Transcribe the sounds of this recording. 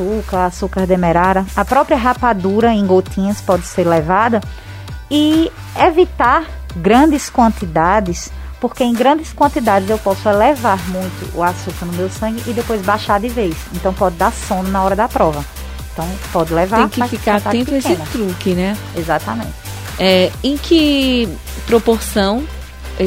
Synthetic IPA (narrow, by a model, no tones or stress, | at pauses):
sukɐasukɐɾd̪emɛɾaɾɐɐpɾɔpɾiɐɦapad̪uɾɐẽj̃ɡot̪ʰĩɲɐspɔd̪ɪseɾlɛvad̪ɐ | ɪ | evit̪aɾ | ɡɾɐ̃nd̪ɪskwɐ̃nt̪id̪ad̪ɪs | poɾkeẽj̃ɡɾɐ̃d̪ɪskwɐ̃nt̪id̪ad̪ɪzewpɔsʊɛlɛvaɾmũj̃t̪ʊ̰ʔuasukɐnʊmewsɐ̃ŋɡɪʔːd̪epojzbaʃaɾd̪ɪvejsẽt̪ɐ̃w̃pɔd̪ɪd̪aɾsõnd̪ɐnɐɔɾɐd̪ɐpɾɔvɐ | ẽt̪ɐ̃w̃pɔd̪ɪlɛvaẽj̃kɪafikaɾat̪aẽtp̪ʊesẽɪnʊt̪ɾukɪnɛ | ezat̪ɐmḛ̃nt̪ɪ̥ | ɛẽj̃kʰɪ | pɾopoɾsɐ̃w̃